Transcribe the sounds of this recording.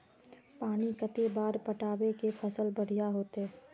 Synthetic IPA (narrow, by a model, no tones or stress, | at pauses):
paːnikət̪ebaːɾpəʈaːbekepʰəsəlbəɽ̤ijaɦoːt̪e